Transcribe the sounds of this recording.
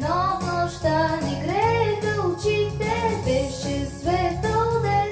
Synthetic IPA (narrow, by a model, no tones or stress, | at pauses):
nɔvnɔʃt̪anɛɡɾɛd̪ɐʊt͡ʃit̪ːɛbɛʃɛsvɛt̪ɔld̪ɛ